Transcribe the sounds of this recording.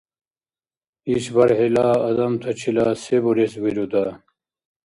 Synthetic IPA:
iɕbɐɾɦilaːɐd̪ɐmt̪ʰɐt͡ɕʰilaːsebuɾeswiɾud̪a

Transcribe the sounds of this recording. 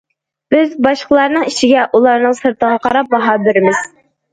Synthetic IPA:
b̥ɪzbɑʃqəlˠɑɾnɨŋiʃɪɡʲɛʔulˠɑɾnɨŋsɨɾt̪ʰəʁɑqʰɑɾɑp̚bɑɦɑːbɪɾɪmɪz̥

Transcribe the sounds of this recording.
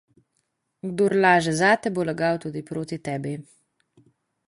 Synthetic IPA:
ɡd̪oːɾlaːʒɛzat̪ɛbolaɡawt̪uːd̪ipɾoːt̪it̪ɛːbi

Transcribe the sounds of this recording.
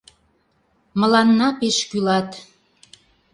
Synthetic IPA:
məlɑnːɑpeʃkylɑt̪

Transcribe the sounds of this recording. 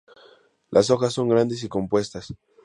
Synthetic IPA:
lʔaso̞xasːo̞ŋɡɾand̪es̬iko̞mpwe̞st̪as

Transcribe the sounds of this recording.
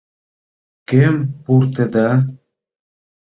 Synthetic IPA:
kempuɾt̪ĕd̪ɑ

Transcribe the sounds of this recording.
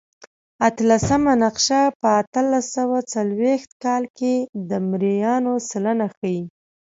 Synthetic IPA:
at̪lasamanaqʃapəːt̪əlasawat͡salwext̪̚kɑlked̪əmɾijɑnosalənaxaji

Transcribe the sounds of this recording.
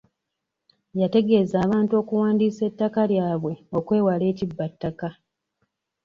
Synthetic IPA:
jate̞ɡe̞zaːβaːntuo̞ːkuwaːndise̞tːakaljaːβwe̞o̞kwe̞ːwale̞ːcibːatːaka

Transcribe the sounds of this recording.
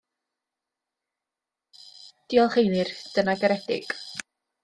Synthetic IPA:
d̥iɔlˠχejnɪrd̥ənaɡəɾɛdɪ̰ɡ̥

